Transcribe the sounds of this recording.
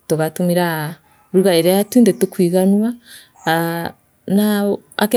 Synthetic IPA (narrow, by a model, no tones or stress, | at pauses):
toɣatumiɾa | ɾuɣaeɾeatuindetokwiɣanuwa | naa̰ke